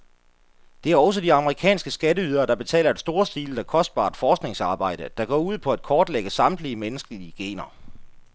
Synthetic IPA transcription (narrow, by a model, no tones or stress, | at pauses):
d̥e̝æɐɒ̽s̬əd̥iɑ̈məʁikʰɛ̰ːnsɡ̥əsɡ̥æɾəyːð̞ˠɐːd̥ɑ̈b̥e̝t͡sʰɛ̰ːlɐe̝d̥sd̥o̝ːɐsd̥iːld̥ækʰɒ̽sd̥̚b̥ɑ̰̈ːd̥fɒːsɡ̥ne̝ŋsɑ̈ːb̥ɑ̈ɪ̰d̥əd̥ɑ̈ɡ̥ɒ̰ːuð̞̰ˠpʰɒ̽æd̥̚kʰɒːd̥leɡ̥əsɑ̈md̥liəmenəsɡ̥əliəɡ̥e̝̰ːnɐ